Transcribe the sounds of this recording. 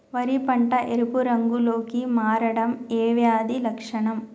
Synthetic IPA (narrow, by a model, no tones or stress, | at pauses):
ʋɐɾipɐɳʈɐʔeɾupuɾɐŋɡuloːkimaːɾɐɽɐmeːʋjaːd̪ilɐkʂɐɳɐm